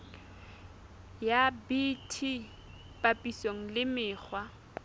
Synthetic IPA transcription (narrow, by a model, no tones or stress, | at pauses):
jabitʰi | pʼapʼisoŋ̩lɪmɪːk͡xʰwa